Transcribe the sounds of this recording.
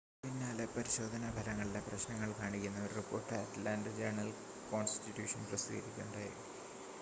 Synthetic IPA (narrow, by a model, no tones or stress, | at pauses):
pinːaːlepɐɾiɕo̞ːd̪ʱɐnɐbʱɐlɐŋːɐɭileprɐɕnɐŋːɐɭkaːɳikʲːunːɐɐɾripːo̞ːrʈːɨaːtlaːndd͡ʑerɳɐl | ko̞ːnsi̥titːjuːʂɐnprɐsiɡɐɾikʲːuɳɖau